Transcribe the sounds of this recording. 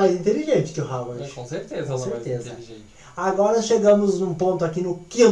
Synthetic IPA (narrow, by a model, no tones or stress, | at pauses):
ajzĩnt̪eliʒẽnt͡ʃɪ̥kɪʊɦavɐkõseɾt̪ezɐ̃seɾt̪ezɐiʒẽ | aɡɔɾɐʃeɡɐ̃mʊzũpõnt̪ʊakinʊkĩ